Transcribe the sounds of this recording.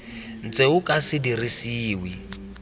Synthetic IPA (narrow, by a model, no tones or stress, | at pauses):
n̩t͡sʼeukʼasɪdirisiːwi